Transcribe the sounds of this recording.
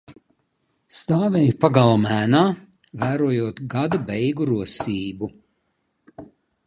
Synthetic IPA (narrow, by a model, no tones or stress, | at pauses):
st̪aːvɛːjupaɡalˠmæːnaː | væːɾuɔjuɔt̪ɡad̪abɛjɡuɾuɔsiːbu